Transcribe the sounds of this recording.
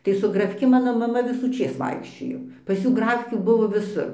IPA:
tɐɪ sʊ ɡrɐˈfʲkʲɪ ˈmɑːnoː mɐˈmɐ ʋʲɪsuːˈt͡ʃʲeːs ˈʋɐɪkʃʲt͡ʃʲoːjoː pɐs ˈjuː ˈɡrɑːfʲkʲuː ˈbʊʋoː ʋʲɪˈsʊr

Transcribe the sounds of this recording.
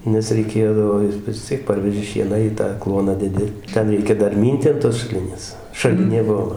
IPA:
nʲɛs rʲɛɪˈkʲeːdɐʋoː ˈjɪs ʋʲɪs ˈt͡sʲiɛk ˈpɐrʲʋʲɛʒʲɪ ˈʃʲiɛnɑː iː ˈtɑː ˈklˠuɔnɑː dʲɛˈdʲɪ ˈtʲɛn ˈrʲɛɪkʲɛ ˈdɐr ˈmʲiːnʲtʲɪ ɐn toːs ʃɐˈlʲɪnʲeːs ʃɐˈlʲɪnʲeː ˈbuɔ

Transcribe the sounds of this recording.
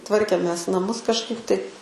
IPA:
ˈtʋɐrʲkʲeːmʲeːs nɐˈmʊs kɐʃˈkɐɪp tɐɪ

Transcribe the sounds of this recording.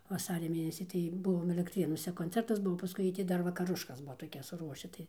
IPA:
ʋɐˈsɑːrʲɛ ˈmʲeːnʲɛsʲiː tɐɪ ˈbʊʋoːm ɛlʲɛktʲˈrʲeːnuɔsʲɛ koːnʲˈt͡sʲɛrtɐs ˈbʊʋoː pɐˈskʊɪ jiɛj ˈtʲɪ ˈdɐr ʋɐkɐˈrʊʃkɐs ˈbuɔ toːˈkʲɛs sʊˈruɔʃʲɪ ˈtɐɪ

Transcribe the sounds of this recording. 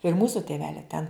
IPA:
ɪr ˈmuːsʊ tʲeːˈʋʲæːlʲɛ tʲɛn

